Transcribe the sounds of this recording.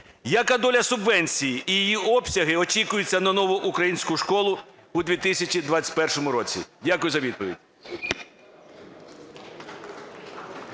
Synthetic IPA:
jɐkad̪ɔlʲɐsʊbʋɛnʲt͡sʲijiʔijijiɔpsʲɐɦɪɔt͡ʃikʊjʊt͡sʲːɐnɐnɔʋʊʔukɾɐjinʲsʲkʊʃkɔlˠʊ | ʊd̪ʲʋʲit̪ɪsʲɐt͡ʃid̪ʋat͡sʲɐ̥tʲpɛrʃɔmʊɾɔt͡sʲḭdʲakʊjʊzɐʋʲid̪pɔʋʲḭdʲ

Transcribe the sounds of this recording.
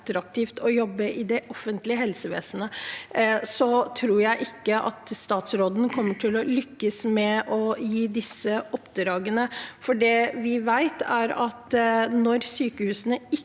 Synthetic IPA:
t̪ɾɑk̚t̪ʰiːft̪ʰɔjɔbːəʔɪd̪ɛʔɔfːənt̪lɪəɦɛlsəʋḛːsənə | sɔt̪ʰɾuːɾjæɪʔɪkːəʔɑ̰t̪st̪ɑːt̪sɾoːd̪n̩kʰɔmːəʈʰɪlɔlʏkːəsmɛʔɔjiːd̪ɪsːəɔpd̪ɾɑːɡənəfɔɖɛʋɪʋæɪt̪æɾɑt̪nɔɾsyːkəhʉːsənəɪ

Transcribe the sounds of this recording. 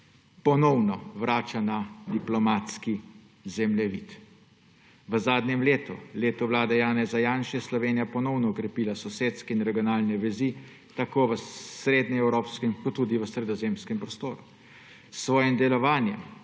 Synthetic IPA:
pɔnɔwnɔʋɾaːt͡ʃanad̪iplɔmat̪ski | zɛmlɛʋḭːt̪ | ʋəzaːd̪nʲɛmleːt̪ṵleːt̪ɔʋlaːd̪ɛjaːnɛzajanʃɛjɛslɔʋeːnijapɔnɔwnɔɔkɾɛpiːlasɔseːt̪skɛinɾɛɡjɔnaːlnɛʋɛzi | t̪akoːʋəsɾeːd̪nɛɛwɾoːpskɛmkɔt̪ːuːd̪iʋəsɾɛd̪ɔzeːmskɛmpɾɔst̪oːɾu | sːʋɔːjɛmd̪ɛlɔʋaːnjɛ̰m

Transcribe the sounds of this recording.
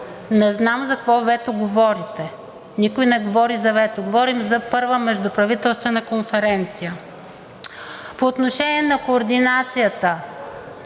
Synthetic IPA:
nɛznamzɐkkvɔvɛt̪oɡovɔɾit̪ɛ | nikʊjnɛɡovɔɾizɐvɛt̪oɡovɔɾimzɐpɤɾvəmɛʒd̪ʊpɾɐvit̪ɛlˠst̪vɛnɐkonfɛɾɛnt̪sijə | poːt̪noʃɛniɛnɐkoːɾd̪inat̪sijət̪ə

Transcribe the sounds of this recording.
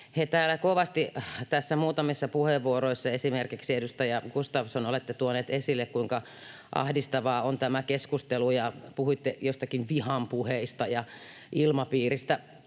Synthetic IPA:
het̪æːlːækoʋɑst̪it̪æsːæmuːt̪ɑmisːɑpuheʋːuoɾoisːɑesimerkiksiedust̪ɑjɑkust̪ɑʋsonolet̪ːet̪uoneːt̪esilːekkuiŋkɑ | ʔɑ̰hdist̪ɑʋɑːont̪æmækeskust̪elujɑpuhuit̪ːejost̪ɑkinʋihɑmpuheist̪ɑjɑ | ʔilmɑpiːrist̪æ

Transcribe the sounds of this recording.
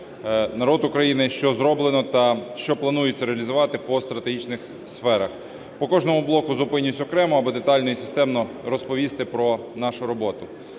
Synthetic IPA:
nɐɾɔd̪ʊkɾɐjinɪʃt͡ʃɔzɾɔblˠenɔt̪ɐʃt͡ʃɔplˠɐnujɪt͡sʲːɐɾeɐlʲizʊʋɑt̪ɪpɔst̪ɾɐt̪eɦʲit͡ʃnɪx | sfɛɾɐx | pɔkɔʒnɔmʊblˠɔkʊzʊpɪnʲːʊsʲɔkɾɛmɔɐbɔd̪et̪ɑlʲnɔjisɪ̥st̪ɛmnɔɾɔspɔʋʲist̪ɪpɾɔ | nɑʃʊɾɔbɔt̪ʊ

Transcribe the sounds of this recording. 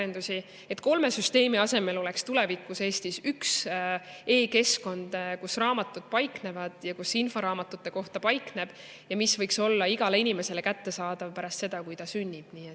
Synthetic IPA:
end̪usʲi | e̞t̪ːˑko̞lme̞syst̪e̞ːmiɑse̞me̞lo̞lekst̪ule̞vikːˑuse̞ːst̪isyks | e̞ːke̞sko̞nd̪̥kusrɑːmɑt̪ːˑud̪̥̚pɑjkne̞vɑd̪̥jɑkusinfo̞ɾɑːmɑt̪ːˑut̪ːˑe̞ko̞ht̪ɑpɑjkne̞b̥ | jɑmisvɤjkso̞lːɑiɡ̥ɑle̞inʲime̞se̞le̞kæt̪ːe̞sɑːd̪̥ɑvpæɾɑst̪se̞d̪ɑkujt̪ɑsynʲːib̥niːet̪ː

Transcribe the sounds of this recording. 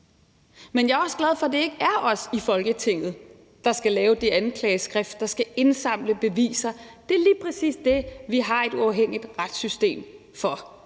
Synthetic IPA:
menjɑ̈æɐɒ̽sɡ̥læð̞ˠfɒd̥e̝e̝ɡ̥əæɐʔɒ̽sifɒ̽lɡ̥ət͡sʰe̝ŋ̰ð̩ˠ | d̥ɑ̈sɡ̥ælɛːʊd̥e̝ænkʰlɛːsɡ̥ʁɛfd̥̚ɑ̈sɡ̥æe̝nsɑ̈m̰ləb̥e̝ʋḭːsɐd̥e̝æɐliːpʰʁɛsḭːsd̥e̝ʋiɦɑ̈e̝d̥uɑ̈ʊɦeŋ̰id̥ʁad̥sysd̥e̝̰ːm | fɒ̽

